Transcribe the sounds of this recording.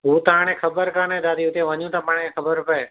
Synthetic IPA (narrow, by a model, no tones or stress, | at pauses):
ɦuːt̪ãɽ̃ẽkʰəbəɾkəɳẽːd̪aːd̪iʊt̪ẽʋəɲjũt̪apãːɽ̃ẽekʰəbəɾpəe